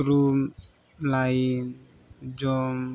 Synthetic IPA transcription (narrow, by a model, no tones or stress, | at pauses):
ɾum | lajin | d͡ʒɔm